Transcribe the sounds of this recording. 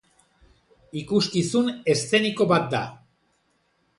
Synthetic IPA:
ikuskisune̞st̪e̞niko̞βat̪̚d̪a

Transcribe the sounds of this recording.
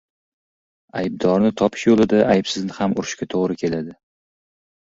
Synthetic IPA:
ajb̚d̪ɒɾnɪt̪ʰɒpʰɪ̥ʃjolˠɪd̪aʔajbsɪznɪhamʊɾɪʃkʲat̪ʰoʁɾɪkʲʰe̞lad̪ɪ

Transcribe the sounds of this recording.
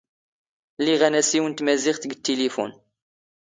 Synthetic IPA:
liʁænæsiwənt̪mæziχθɡt̪ːelifṵn

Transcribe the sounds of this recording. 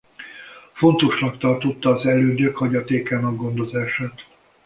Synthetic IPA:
fo̞nt̪o̞ʃnɒkt̪ɒrt̪o̞t̪ːɒːzɛløːd̪økhɒɟɒt̪eːkanɒɡɡo̞nd̪o̞zaːʃaːt̪

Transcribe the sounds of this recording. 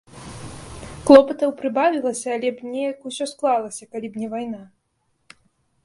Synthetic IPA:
klˠɔpɐt̪ɐwpɾɨbavʲilˠɐsʲɐːlʲɛbnʲɛjɐkusʲɔsklˠalˠɐsʲɐkalʲibnʲɛvajna

